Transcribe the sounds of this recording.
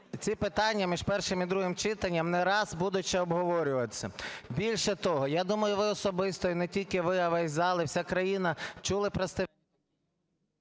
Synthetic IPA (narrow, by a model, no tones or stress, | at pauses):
t͡sʲipɪt̪ɑnʲːɐmʲiʒpɛrʃɪmid̪ɾuɦɪmt͡ʃɪt̪ɐnʲːɐmnɛɾɑzbud̪ʊt͡ʃɛɔbɦɔʋɔɾʲʊʋɐt͡sʲːɐbʲilʲʃɛt̪ɔɦɔjad̪umɐjʊʋɪɔsɔbɪst̪ɔinɛtʲilʲkɪʋɪɐʋɛsʲzɑlˠɪwsʲakɾɐjinɐt͡ʃulˠɪpɾɐst̪ɪ